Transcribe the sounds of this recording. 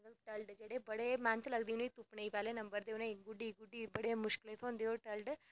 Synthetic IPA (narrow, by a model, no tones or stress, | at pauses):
ɐt̪lbʈɐlɖd͡ʒeɽebɐɽemaːnt̪ʰlɐɡd̪inũit̪upɳeipɛːlenɐmbəɾd̪eːʋneiɡuɖiɡuɖːibɐɽemʊʃkilet̪ʰond̪eoʈɐlɖ